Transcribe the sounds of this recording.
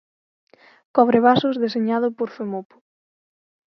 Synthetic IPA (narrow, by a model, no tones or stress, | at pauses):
kɔβ̞ɾɪβasʊzðeseɲað̞ʊpoɾθemopʊ̥